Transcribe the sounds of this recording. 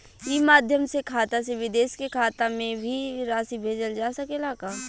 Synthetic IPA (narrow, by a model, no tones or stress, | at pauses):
imaːd̪ʱjəmsekʰaːt̪aseʋɪd̪eːʃkekʰaːt̪amẽbʱiɾaːsibʱeːd͡ʒəld͡ʒaːsɐkelaːkaː